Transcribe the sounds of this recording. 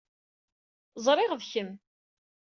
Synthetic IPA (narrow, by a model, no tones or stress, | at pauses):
zˤɾˤɪʁðçəm